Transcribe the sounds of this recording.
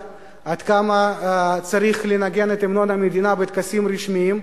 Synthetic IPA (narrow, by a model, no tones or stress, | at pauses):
ad̪̥kamat͡saɾiχlenaɡe̞net̪emno̞nhamed̪inabet̪kasimɾiʃmiim